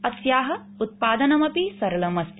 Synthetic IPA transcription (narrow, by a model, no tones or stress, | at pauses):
ɐsjaːɦɐ | ut̪̚paːd̪ɐnɐmɐpisɐɾɐlɐmɐst̪